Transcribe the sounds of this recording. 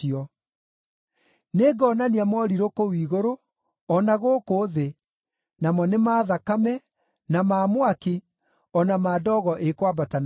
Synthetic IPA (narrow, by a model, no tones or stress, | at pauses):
ɔ | neɡɔnaniamɔɾiɾokowiːɣoɾo | ɔnaɣoːkoðe | namɔnemaːðakamɛ | namaːmwaki | ɔnamaːdɔːɣɔʔekwabatan